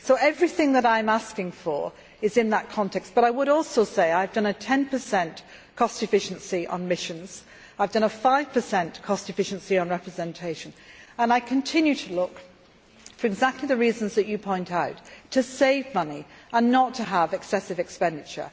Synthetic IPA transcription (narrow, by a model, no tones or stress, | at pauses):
soʊʔɛvɹiθɪ̃ŋðəɾãɪ̃mæskɪ̃ŋfə̰˞ | ɨzɨ̃nðət̚kʰɑ̃ntʰɛkstb̥ʌɾaɪwəɾɔlˠsoʊseɪaɪvdʌ̃nɨtʰɛ̃npʰə˞sɛ̃n | kʰɔstɨfɪʃɨ̃nsiʔə̰̃nmɪʃɨ̃nz̥ | aɪvdʌ̃nəfaɪv̥pʰə˞sɛ̃nkʰɔstɨfɪʃɨ̃nsiə̃nɹɛpɹɨzɛ̃ntʰeɪʃɨ̃nə̃naɪkʰɨ̃ntʰɪ̃njʉɾʰəlʊk | fə˞ɨɡzæk̚tʰˡliðɨɹiz̃n̩zðɨt͡ʃɨpʰɔ̃ɪ̃ntaʊtʰɨseɪvmʌniə̃nːətʰɨəvɨksɛsɨvɨkspɛ̃ndɨt͡ʃə̰˞